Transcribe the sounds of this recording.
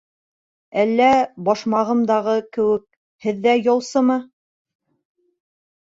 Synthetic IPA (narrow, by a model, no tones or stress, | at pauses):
ælːæbɒʃmɑʁɤ̆md̪ɑʁɤkɘ̆wɘk̚ | hɘ̆ðːæjɑlˠsɤmɤ